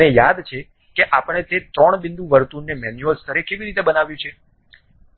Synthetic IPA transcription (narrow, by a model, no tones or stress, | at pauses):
nejad̪t͡ʃʰe | keʔapəɳ̃et̪et̪ɾɔɳ̃bɪnd̪uʋəɾt̪unːemɛnjuəst̪ʰəɾekeʋiɾit̪ebənaʋjũt͡ʃʰe